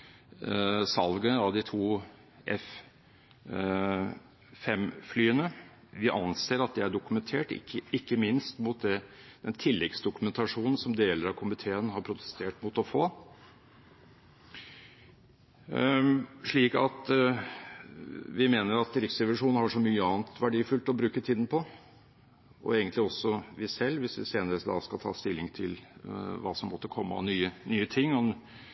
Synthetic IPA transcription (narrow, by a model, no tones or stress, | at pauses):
sɑlɡənəɑʋd̪ɪt̪ʰuː | ʔɛ̰f | ɛmflyːənə | ʋɪʔɑnseːɾɑt̪̚d̪ɛæɖʊkʉmɛnt̪ʰeːʈɪ̰kːəɪkːəmɪnst̪mʊt̪̚d̪ɛd̪ɛnt̪ʰɪlːɛɡsd̪ʊkʉmɛnt̪ʰɑʂuːnn̩sɔmd̪eːləɾɑkʰʊmɪt̪ʰeːənhɑɾpʰɾʊt̪ʰɛ̥st̪ʰeːʈmʊt̪ɔfoː | ʂɭiːkɑ̰t̪ | ʋɪmeːnəɾɑt̪̚ɾɪft̪sɛʋɑʂuːnn̩hɑʂɔmyːəɑːnt̪ʋæɖiːfʉlt̪ɔbɾʉːkət̪ʰiːd̪n̩pʰɔ | ʔɔ̰eːɡənlɪɔsːɔʋɪsɛlːʋɪsʋɪseːnəɾəsd̪ɑ̰skɑlt̪ʰɑ̰ːst̪ɪlːɪŋt̪ʰɪlʋɑ̰ːsɔmːɔt̪ːəkʰɔmːəɑ̰nyːənyːət̪ʰɪŋːɔ